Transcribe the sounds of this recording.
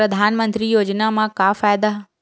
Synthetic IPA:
ɾɐd̪ʱaːnmə̃nt̪ɾijoːd͡ʑnamãkaːfaːjd̪a

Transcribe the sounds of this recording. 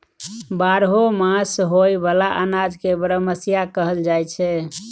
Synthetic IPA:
baɾɦomãsɦojbalaʔənad͡ʒkebəɾəməsijakəɦəld͡ʒajt͡ʃʰɛ

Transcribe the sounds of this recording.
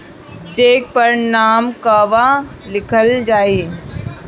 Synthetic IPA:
d͡ʒeːk̚pəɾnaːmkaʋalɪkʰəld͡ʒaːiː

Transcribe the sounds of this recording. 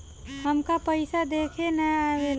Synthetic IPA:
ɦəmkapəɪsad̪eːkʰenəaʋel

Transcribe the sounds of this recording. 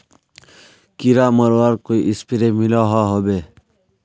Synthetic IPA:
kiɾaːməɾwaɾkoiʔɪspiɾemilaɦaɦobe

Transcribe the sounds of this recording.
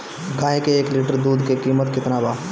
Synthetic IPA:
ɡaːɦkeeːklɪʈəɾd̪uːd̪kekiːmət̪kɪt̪nabaː

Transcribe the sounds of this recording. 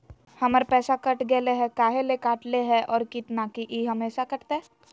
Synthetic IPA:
hɐməɾpɛːsakɐʈɡɛːleɦɛkaːɦelekaːʈleɦɛʔɔːɾkit̪naːkiʔiːɦɐmeːʃakɐʈt̪eɦɛ

